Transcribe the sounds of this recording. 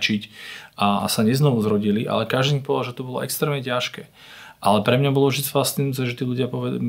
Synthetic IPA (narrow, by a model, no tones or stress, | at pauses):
t͡ʃica̰saɲɛznɔʋuzɾɔɟiliʔa̰lɛkaʒd̪ipɔɛaʒɛt̪ubɔlɔ̰ʔɛkst̪ɾɛːmɲɛcaʃkɛː | ʔalɛpɾɛmɲabɔlɔvʒd̪it͡sfast͡sinut͡sɛʒɛt̪iːlʎuɟɪapɔʋɛ